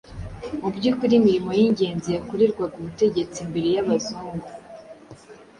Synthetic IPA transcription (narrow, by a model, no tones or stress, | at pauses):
mubɟukuɾimiɾimo̞jiɲɟe̞ːnzijakuɾiɾɡwaɡuβute̞ɟe̞t͡simbeɾejaβazuːŋɡu